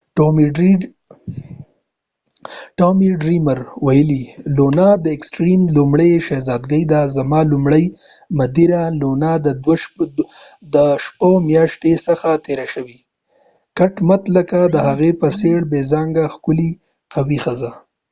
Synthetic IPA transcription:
ʈomiɖɾimaɾwajəlilonad̪əɪksʈɾimlʊmɽeʃezɑd̪ɡəjd̪azamɑlʊmɽəj | mad̪iɾalonad̪ə | d̪əʃpomjɑʃt̪esəxat̪eɾaʃəwi | kaʈmat̪ləkad̪əhaɣepəseɽbezɑŋɡaxkʊli | qawixəza

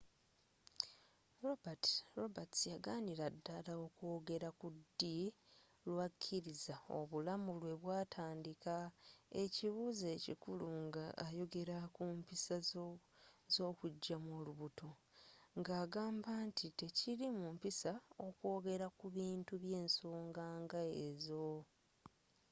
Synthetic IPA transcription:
ɾobatɾobatjaɡaːniɾadːalao̞ko̞ːɡe̞ɾakudːi | lwakʰːiɾizao̞̰βulamulwe̞βwaːtʰaːndikae̞ciβuze̞ːcḭkuluŋɡaːjo̞ɡe̞ɾakumpisa | zo̞ːkuɟːamoːluβutʰo̞ŋɡaːɡaːmbantʰite̞cilimumpisao̞kwo̞ːɡe̞ɾakuβiːntuβje̞ːnso̞ːŋɡaːŋɡaezo̞

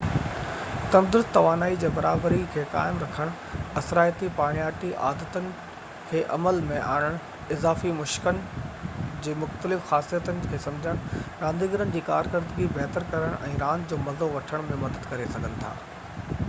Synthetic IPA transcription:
t̪ɐmd̪ɾʊzt̪ɐʋaːnaːid͡ʑeːbɐɾaːbɾikʰeːka̰ːɪmɾɐkʰəɽ̃ | ɐsɾaːjt̪ipaːɽ̃ijaːʈiʔa̰ːd̪ət̪ənɪ̆ | kʰeːʔɐməlmẽʔa̰ːɽ̃əɽ̃ | ɪzaːfimʊʃkən̆ | d͡ʑeːmʊxt̪əlɪfxaːsijət̪ənɪ̆kʰeːsɐ̃md͡ʑʱəɽ̃ɾãːnd̪iːɡəɾənɪ̆d͡ʑiːkaːɾkɪɾd̪əɡibɛɦt̪əɾkɐɾəɽ̃ʔɛ̰̃ːɾãːnd͡ʑoːmɐzoʋɐʈʰəɽ̃mẽmɐd̪əd̪kɐɾesɐɡʱənɪ̆t̪ʰa̰ː

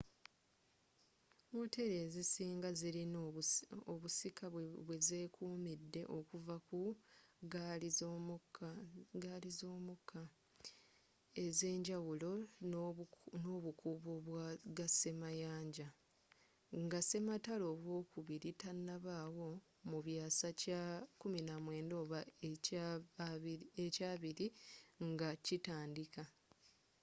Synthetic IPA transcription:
mote̞ɾe̞ːzisiːŋɡaziɾi | oβusikʰaβwe̞zeːkʰuːmidːe̞ʔo̞kuvakuɡ | kɡalizo̞ːmukʰːa | e̞ze̞ːɲɟawulo̞ | noβukuβoβwaɡase̞majaːɲɟa | ŋɡase̞matalo̞ːβwo̞ːkuβiɾitanːaβaːwo̞ | muβjaːsacakuminamwe̞ːndo̞ːβa | ecaːβiɾiŋɡacitaːndika

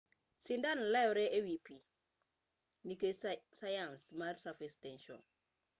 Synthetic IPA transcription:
sindanlajoɾeʔewipi | nikesajansmaɾsafistɛnʃo̰n

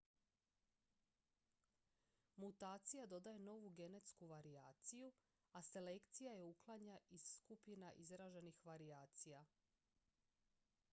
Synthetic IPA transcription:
mut̪aːt̪sijad̪o̞d̪aje̞no̞ʋuɡe̞net̪skuʋaɾiaːt̪siju | ase̞le̞kt̪sijaje̞uklˠaɲaiz̥skupinaʔizɾaʒe̞nixʋaɾiaːt̪sija

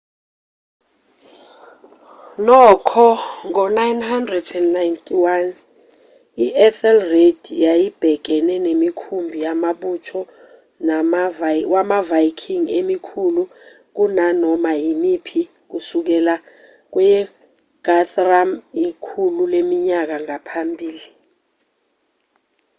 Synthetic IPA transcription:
nɔkʰɔŋɔnajnhandrɛdɛnnajntʰʼiwan | iʔɛθɛlred̥jajib̥ʱɛk̬ɛnɛnemikʰumbʱijamaɓut͡ʃʰɔ | namvwamavajkʰiŋemikʰulu | k̬unanɔmajimipʰi | k̬usuk̬ɛla | k̬wɛjɛ | ɡ̥atramikʰululemiɲak̬aŋapʰambʱiːli

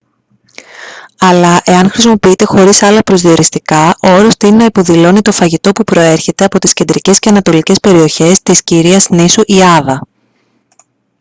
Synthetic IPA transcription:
ɐlɐʔe̞ɐnxɾisimo̞piit̪e̞xo̞ɾisɐlɐpɾo̞zðio̞ɾist̪ikɐʔo̞ɾo̞st̪ininɐipo̞ðilo̞nit̪o̞fɐʝit̪o̞pupɾo̞e̞ɾçe̞t̪e̞ɐpo̞t̪i̥scend̪ɾice̞sce̞ɐnɐt̪o̞lice̞spe̞ɾio̞çe̞st̪isciɾiɐznisuʔiɐðɐ

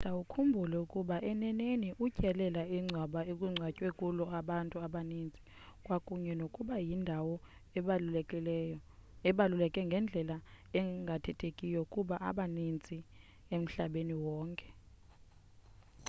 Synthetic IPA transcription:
tʼawukʰumbʱulɛukʼuɓaʔɛnɛneniʔucʼɛlɛlaiŋ͡ǀʱwaɓaekʼuŋ͡ǀʱwacʼwekʼulɔaɓantʼuaɓanint͡sʼi̥ | kʼwakʼuɲɛnokʼuɓajindʱawɔ | ɛɓalulɛkʼɛŋɡʱɛnd͡ɮʱɛlaɛŋɡʱatʰɛtʰekʼijɔukʼuɓaʔa̰ɓanint͡sʼi | em̩ɬaɓeniwɔːŋkʼɛ̥

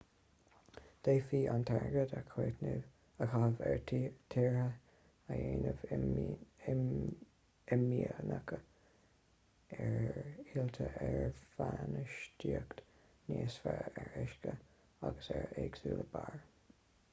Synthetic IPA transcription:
d̪̥eːfiːʔant̪ʰɛɹɡəd̪əkʰweːt̪nɪ | əkʰɑhəvɛɹtʰiːɹhə | ajeːnəv | ɪmiənəkʰə | ɛɹiːlt̪ʰəʔɛɹfanəʃtiəkt̪ | neːsfaɛɹɪʃkə | aɡəsɛɹeːɡsuːləbaɹ

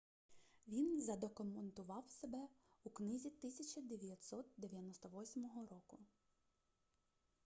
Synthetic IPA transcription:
ʋʲinzɐd̪ɔkʊment̪ʊʋɑwsebɛuknɪzʲit̪ɪsʲɐt͡ʃɐd̪eʋʲjɐt̪ʲsɔt̪̚d̪eʋʲjɐnɔst̪ɔʋɔsʲmɔɦɔɾɔkʊ

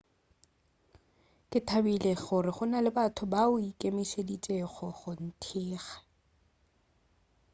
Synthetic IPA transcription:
kʼɪtʰabileɣʊrɪχʊnalɪbatʰʊbaʊikʼemiʃedit͡ʃʼeχɔχʊn̩tʰiːɣḁ

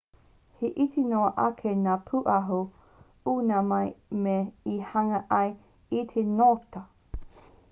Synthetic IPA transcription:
heʔit̪ʰenoɐʔɐkʰenaːpʰuʔɐɦo | unɐmɐjmeihɐŋɐʔɐj | itʰenotɐ

